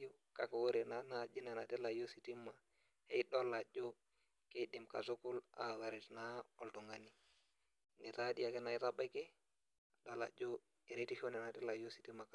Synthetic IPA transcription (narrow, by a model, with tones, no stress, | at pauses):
o˦ | ka˨ka˨wo˦ɾe˨na˦nad͡ʒi˦ne˨na˨ti˦la˨jo˦si˨ti˦ma˨ | he˦ɗo˦la˨d͡ʒo˦ | ke˦ɗi˨mka̰˨zo˦ku˦la̰wa˨ɾɛ˨tna˦ɔ˨ltu˨ŋɡa˨ni˨ | ŋɡɛ˨ta˦di˦ja˦ke˦na˨i˦taɓa˦kɛ˦ | a˨do˦la̰˨d͡ʒo˦ | e˨ɾe˦ti˦ʃo˦nɛ˨na˨ti˦la˨jo˦si̥˨ti˦ma˨k